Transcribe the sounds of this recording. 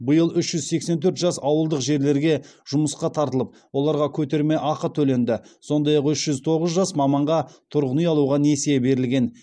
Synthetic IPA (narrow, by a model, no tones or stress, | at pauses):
bəjəlˠʏʃʒ̥ʏzse̞kse̞nt̪ʰɵɾt̪ʒ̥ɑsɑwəlˠd̪əqʒe̞ɾle̞ɾɡʲe̞ | ʒ̥ʊməsqɑt̪ʰɑɾt̪əlˠəp̚wo̞lˠɑɾʁɑkʲʰɵt̪e̞ɾme̞ʔɑqət̪ʰɵle̞nd̪ɪso̞nd̪ɑjɑqʏʃʒ̥ʏzt̪ʰo̞ʁəzʒɑsmɑmɑɴʁɑt̪ʰʊɾʁənəjɑlˠuʁɑne̞sejebe̞ɾɪlɡʲe̞n